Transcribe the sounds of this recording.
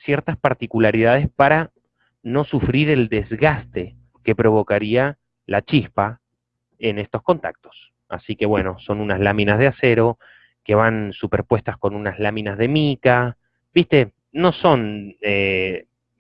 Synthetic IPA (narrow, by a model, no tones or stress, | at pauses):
sjeɾt̪aspaɾt̪ikulaɾið̞að̞e̞spaɾa | no̞sufɾiɾe̞ld̪e̞zɣast̪e̞ | ke̞pɾo̞βo̞kaɾia | lat͡ʃispa | ene̞st̪o̞sko̞nt̪a̰k̚t̪o̞̥s | a̰sike̞βwe̞̰no̞so̞nunazlamĩnazð̞ease̞ɾo̞ | ke̞β̞ansupeɾpwe̞st̪asko̞nunazlamĩnazðe̞mika | bist̪e̞ | no̞so̞ne